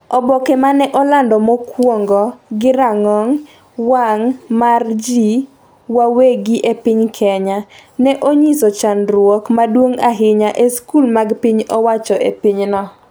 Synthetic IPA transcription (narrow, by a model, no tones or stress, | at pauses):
ɔbɔkɛmanɛʔɔlandɔmokwoŋɡɔɡɪɾaŋɔŋ | waŋmard͡ʒi | waweɡiʔepɪɲkʰɛɲanɛʔoɲisɔt͡ʃanɾwɔkmadwoŋaɦɪɲaʔeskulmaɡpɪɲɔwat͡ʃɔepɪɲnɔ